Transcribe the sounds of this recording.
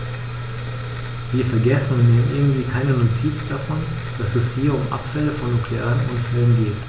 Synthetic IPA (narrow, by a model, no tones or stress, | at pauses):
viːɐfɛɐɡɛsn̩niːʔɪ̰ɐɡŋ̩tv̥iːkʰaɪnənotʰiːt͡sd̥afɔn | d̥asɛshiːɐʊmʔa̰pfɛləfɔnːukʰleaːʁənʔʊnfɛlənɡeːt